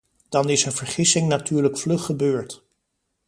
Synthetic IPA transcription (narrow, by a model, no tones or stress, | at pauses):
d̥ɑnɪsənvəɹχɪsɪŋnatyːɹləkflɵχəbøːɹt